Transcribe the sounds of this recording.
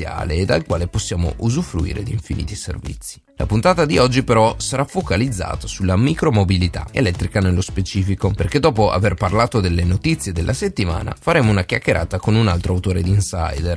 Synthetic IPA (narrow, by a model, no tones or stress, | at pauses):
ja̰ːleːd̪alkwaːleposːjaːmo̰ʔuzufɾuḭːɾḛd̪iɱfinḭːt̪isḛrvḭt̪sːi̥lʔa̰punt̪aːt̪ad̪iɔd͡ʒːipeɾɔsaɾafːokalid̪zːa̰ːt̪asulːamikɾomobilit̪a̰ḛlɛt̪ːɾikanelːospet͡ʃiːfikoperked̪ːɔːpoʔa̰verparlaːt̪od̪elːenot̪it̪sːjed̪elːʔaset̪ːima̰ːna̰faɾeːmounak̟jak̟ːeɾʔa̰ːt̪akonunalt̪ɾʔoawt̪oːɾed̪iinsa̰jd̪er